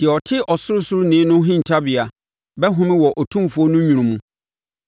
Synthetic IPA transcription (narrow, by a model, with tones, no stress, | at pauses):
d̥ɪ˨ɛ˨ɔ˨tʰɪ˦ʔɔ˨sʊ˦ɾʊ˦sʊ˦ɾʊ˦nɪ̃˨˦nʊ̃˦ɦɪ̃˦n̩˨tʰa˦bɪ˨a˨ | bɛ˦ɦʊ̃˦mɪ̃˦wɔ˨ʔɔ˨tʰũ˦fʊ˨ɔ˦nʊ̃˦ɲũ˨ɾũ˨mũ˦